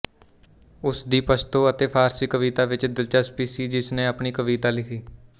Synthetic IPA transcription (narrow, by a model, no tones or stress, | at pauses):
ʊsd̪iːpəst̪oːət̪eːpʰaːɾsiːkəʋiːt̪aːʋɪt͡ʃd̪ɪlt͡ʃəspiːsiːd͡ʒɪsnẽːəpɳiːkəʋiːt̪aːlɪkʰiː